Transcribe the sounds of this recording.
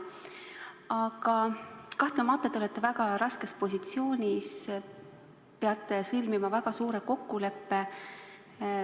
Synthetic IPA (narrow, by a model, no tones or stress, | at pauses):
ɑɡ̥ɑkɑht̪nemɑt̪ːˑet̪olet̪ːˑevæɡ̥ɑɾɑske̞spo̞sʲit̪sio̞ːnʲis | peɑt̪ːˑesɯlmimɑvæɡ̥ɑsuːɾe̞ko̞kːule̞pːe̞